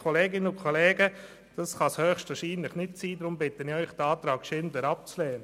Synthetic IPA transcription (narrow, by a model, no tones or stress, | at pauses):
ɔleːɡɪnəʊkʰɔleːɡə | d̥ɑsχɑshøːχʃtvaːʃiːnlɪχnɪt̚siːdɾʊmbɪtənɪœʏχdəɑːtɾɑːɡʃɪndəɾɑp̚t͡slɛːə